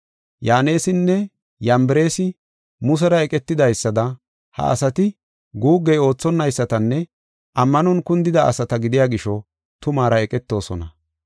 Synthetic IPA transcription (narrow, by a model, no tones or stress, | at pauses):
jaːne̞ːsɪnːɛ | jɐmbɛɾe̞ːsɪ | mʊs̬ɛɾɐɛkʼɛt̪ːɪd̪ɐjsːɐd̪ɐ | hɐ̰ʔɐ̰sɐt̪ɪ | ɡuːɡːɛo̞ːt͡sːɔnːɐjsːɐt̪ɐnːɛ | ʔɐmːɐnɔnkʊnd̪ɪd̪ɐʔɐ̰sɐt̪ɐɡɪd̪ɪjaːɡɪʃɔ | t̪ʊmaːɾɐɛkʼɛt̪ːo̞ːsɔ̰nɐ